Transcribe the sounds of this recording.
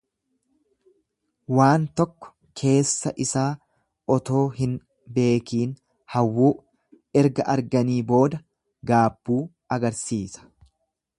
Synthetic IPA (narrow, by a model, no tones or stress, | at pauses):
waːnt̪ɔkːɔ̥ | kʰe̞ːsːɐʔɪsaː | ʔɔt̪o̞ːɦɪn | be̞ːkiːn | hɐwːuː | ɛɾɡɐʔɐɾɡɐniːbo̞ːd̪ɐ | ɡaːbːuː | ɐɡɐɾsiːsɐ̥